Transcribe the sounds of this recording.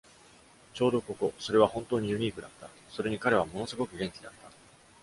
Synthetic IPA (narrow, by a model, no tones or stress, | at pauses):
t͡ɕo̞ːd̪o̞ko̞ko̞so̞ɾe̞β̞ahõ̞nt̪o̞ːɲ̟ijɯ̟ɲ̟iːkɯ̟d̪at̪ːa | soɾe̞ɲ̟ikaɾe̞β̞amo̞no̞sɨɡo̞kɯ̟ɡẽ̞ŋkʲid̪at̪ːa